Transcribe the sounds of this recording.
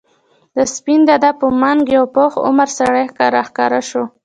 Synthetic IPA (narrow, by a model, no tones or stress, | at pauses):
d̪əspind̪ad̪apəmaŋɡjawpoxʊ̰maɾsaɽajxkɑɾaxkɑɾaʃo